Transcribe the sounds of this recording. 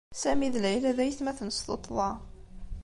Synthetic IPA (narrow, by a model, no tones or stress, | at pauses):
sæmiðlæjlæðæjθmæθnəst̪ot̪ˤːðˤɑ